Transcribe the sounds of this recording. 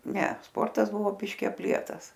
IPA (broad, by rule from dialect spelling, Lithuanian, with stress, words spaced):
ˈnʲɛ ˈspoːrtɐs ˈbʊʋoː ˈbʲɪʃʲkʲɪ ɐpʲˈlʲiɛtɐs